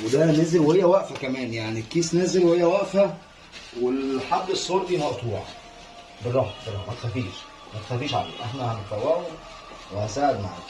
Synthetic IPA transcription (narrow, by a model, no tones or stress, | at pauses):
wed̪ænæːzelwehejːæwæʔfækæmæːnjaʕnikːiːsnæːzelwehejːæwæʔfæ | welħad̪ːesˤːoːɾd̪iːmɑʔt̪ˤuːʕ̰ | berːˤɑhberˤːɑ̰mæt̪xæfiːʃ | mæt̪e̥xæfiːʃʕa̰lḛːʔeħnæhænet̪ˤɑwæːwe | wehænsaːʕed̪ma̰ʕa̰ːk